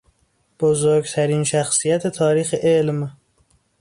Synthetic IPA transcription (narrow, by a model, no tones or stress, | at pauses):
b̥ozoɾɡt̪ʰæɾiːnʃæxsijæt̪ʰe̞t̪ʰɒːɾiːxeʔelm